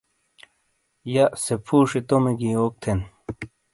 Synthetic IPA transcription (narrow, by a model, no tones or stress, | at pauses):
jasepʰuːʂit̪omeɡioːk̚t̪ʰen